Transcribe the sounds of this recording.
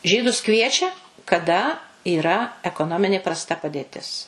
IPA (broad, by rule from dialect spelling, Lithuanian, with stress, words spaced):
ˈʒʲiːdʊs ˈkʋʲiɛt͡ʃʲɛ kɐˈdɐ iːˈrɐ ɛkoːˈnoːmʲɪnʲeː prɐsˈtɐ pɐdʲeːˈtʲɪs